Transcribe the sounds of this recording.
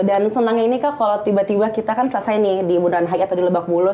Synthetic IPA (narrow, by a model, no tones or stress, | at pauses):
dansənaŋinikakalot̪ibat̪ibakit̪akansasaɪnɪhdibunaanɦaiat̪awdiləbak̚bulʊ